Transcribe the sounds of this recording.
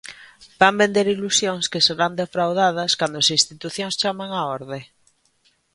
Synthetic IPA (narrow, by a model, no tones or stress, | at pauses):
b̥ambend̪eɾilusjoŋskɪseɾand̪efɾawðað̞ɐskand̪ʊasĩnst̪it̪uθjoŋst͡ʃamaŋaɔɾðe